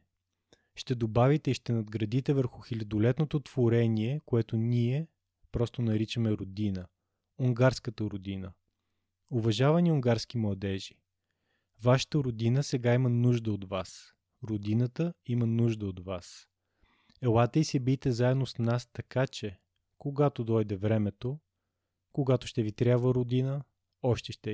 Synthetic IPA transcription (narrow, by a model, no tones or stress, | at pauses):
ʃt̪ɛd̪obavit̪ɛiʃt̪ɛnɐd̪ɡɾɐd̪it̪ɛvəɾxʊxilʲɐd̪olɛt̪not̪ot̪v̥oɾɛniɛkoɛt̪oniɛ | pɾɔst̪onɐɾit͡ʃəmɛɾod̪inə | ʊŋɡaɾskət̪əɾʊd̪inə | ovɐʒavɐniʊŋɡaɾsk̟imlˠɐd̪ɛʒi̥ | vaʃə̥t̪əɾod̪inəsɛɡaimənuʒd̪əod̪vas | ɾod̪inət̪əimənuʒd̪əod̪vas | ɛlˠat̪əisɛbit̪ɛzaɛd̪nosnast̪ɐkat͡ʃɛ | koɡat̪od̪ɔjd̪ɛvɾɛmɛt̪o | koɡat̪oʃt̪ɛvit̪ɾʲabvəɾod̪inə | ɔʃt̪ɛʃt̪ɛ